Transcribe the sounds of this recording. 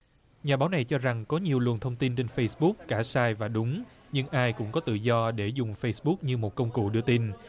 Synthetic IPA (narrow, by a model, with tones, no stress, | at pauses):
ɲaː˨˩ɓaː˨˦wna˨˩jt͡ɕɔ˧za˨˩ŋkɔ˨˦ɲi˨˩əwlwə˨˩ənt̪ʰə˧wŋ͡mt̪i˧nt͡ɕe˧nfə˧jsɓʊ˦˥k̚ːaː˧˩saː˧jvaː˨˩ɗʊ˨˦ŋ͡m | ɲɨ˧ŋʔaː˧jkʊ̰˧˥ŋ͡mkɔ˨˦t̪ɨ̰˧˨zɔ˧ɗe˧˩zʊ˨˩ŋ͡mfə˧jsɓʊ˦˥k̚ɲɨ˧mo˨˩t̚kə˧wŋ͡mkṵ˧˨ɗɨ˧ət̪i˧n